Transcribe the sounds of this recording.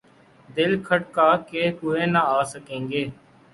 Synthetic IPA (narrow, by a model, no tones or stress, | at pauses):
d̪ɪlkʰəʈ̚kaːkeːpʊːẽːnãːaːsəkẽːŋɡeː